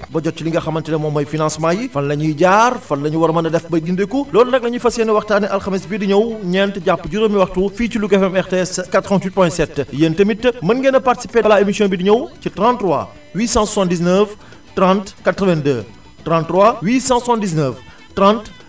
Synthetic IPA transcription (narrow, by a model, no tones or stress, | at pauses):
bɔɟɔt͡ʃːiliŋɡɐxɐmːɐntɛlɛmɔmɐjfinãnsmãjifɐllɐɲuɟaːrfɐlnɐɲuwɐɾɐmɐnɐdɛfbɐjɡindekulɔːnunɐk̚lɐɲufɐsɛːnɛwɐxtaːnɛʔɐlxɐmisbidiɲɐwɲɛntɟapːɟuɾəmiwɐxtufiːcilukɛfɛmɛʁteɛskatːɾəvãntwit̚pɔ̃jɛ̃sɛtːjɛntəmitːəmɐnɡɛnɐpartisipeːɐlaemisjɔ̃ːbidiɲɐwcitɾãntːrɾwa̰ | wiːsãsusãndis̬nəf | trãntkatɾəvɛ̃ndəː | trãntːrwawiːsãːsusãndis̬nəf | trãnt